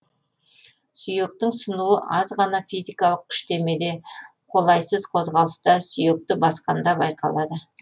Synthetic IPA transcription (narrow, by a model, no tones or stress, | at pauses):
syje̞k̚t̪ɪŋsənuəʔɑzʁɑnɑfijzijkɑlˠəq̚kʲʰʏ̥ʃt̪e̞me̞d̪e̞ | qʰo̞lˠɑjsəzqʰozʁɑlˠəst̪ɑsʏje̞k̚t̪ɪbɑsqɑ̰nd̪ɑbɑjqʰɑ̰lˠɑd̪ə